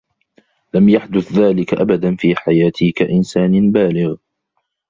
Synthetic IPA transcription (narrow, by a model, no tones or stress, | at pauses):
lamjaħd̪ʊθðaːlɪkaʔa̰bad̪anfiːħajaːt̪ʰɪhkaʔɪnsaːnɪbaːlɪɣ